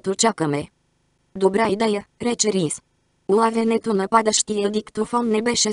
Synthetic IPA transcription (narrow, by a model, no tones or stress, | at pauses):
t̪ut͡ʃakəme | d̪obɾajd̪ajəɾɛt͡ʃeɾis | ulavenet̪onəpad̪əʃt̪ied̪ikt̪ofonnebɛʃe